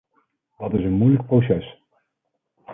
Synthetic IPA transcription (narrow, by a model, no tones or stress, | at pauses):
dɑtɪsənmujlək̚prosɛs